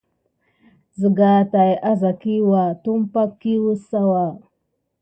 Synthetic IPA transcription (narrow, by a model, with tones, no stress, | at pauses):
zə˨ɡa˨ta˨ja˦za˨ki˦wa˨tu˦m˦pa˦kːi˦wu˦sa˦wa˨